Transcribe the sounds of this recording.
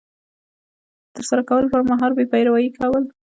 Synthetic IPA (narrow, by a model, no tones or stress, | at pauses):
t̪əɾsaɾakawəlpəɾmaɦɑɾbepɑjɾawɑjikʰawəl